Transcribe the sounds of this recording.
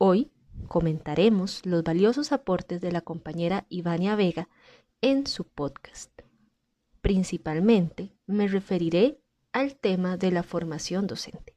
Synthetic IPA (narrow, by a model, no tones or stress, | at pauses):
o̞j | ko̞mẽ̞nt̪aɾe̞mo̞slo̞zβaljo̞so̞sapo̞ɾt̪e̞zðe̞lako̞mpaɲe̞ɾaiβanjaβe̞ɣa | ensupoðkḁst̪̚ | pɾinsipalmẽ̞nt̪e̞ | me̞re̞fe̞ɾiɾe̞ | alt̪e̞maðe̞lafo̞ɾmasjo̞nd̪o̞se̞̰nt̪e̥